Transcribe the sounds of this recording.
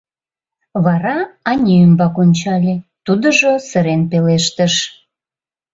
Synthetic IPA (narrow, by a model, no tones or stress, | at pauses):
βɑɾɑɑnʲiymbɑkonʲt͡ɕɑlʲet̪ud̪əʒosəɾenpeleʃt̪əʃ